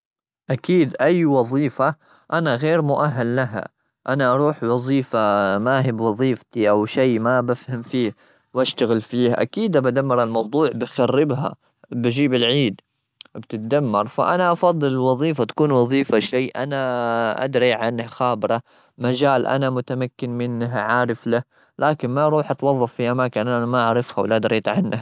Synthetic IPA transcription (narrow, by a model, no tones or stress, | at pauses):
ʔakiːd̪ʔajwɑðˤiːfa | ʔanaɣeːɾmʊʔaɦːalːaɦa̰ | ʔanaʔɑɾˤuːħwɑðˤiːfamaːɦɪbwɑðˤiːft̪iʔawʃajmabafhamfiː | wʔaʃt̪aɣɪlfiːhʔa̰kiːd̪abad̪amːɑɾˤɑlmɑwd̪ˤuːʕbɪxarːɪbɦa̰ | bad͡ʒiːbɪlʕiːd̪ | bt̪ɪt̪̚d̪amːɑɾˤfa̰ʔanaʔɑfɑd̪ˤːɨlwɑðˤiːfat̪ḁkuːnwɑðˤiːfaʃajːʔanaʔa̰d̪ɾiʕanːhxaːbɾˤɑ | mad͡ʒaːlʔa̰namʊt̪amakːɪnmɪnːɦʕaːɾɪfla | laːkɪnmaɾˤuːħʔɑt̪wɑðˤːɑfːiʔamaːkɪnʔaanamaʔaʕɾˤɑɪfhawɪlʔad̪ɾˤiːt̪ʕanːah